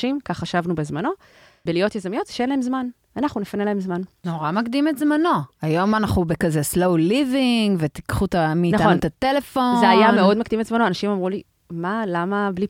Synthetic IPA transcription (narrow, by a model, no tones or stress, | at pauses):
imkaχaʃavnubezmano̞ | belijo̞t̪jezamijo̞t̪zʃeenlae̞mzman | anaχnunefanelahe̞mzmanno̞ʁamakd̪imetzmano̞ajo̞manaχnubekazeslowliviŋɡvet̪i̥kχut̪amiːnaaount̪at̪elefo̞zeajame̞o̞dmakd̪imetzmanoanaʃimamʁuli | malamabli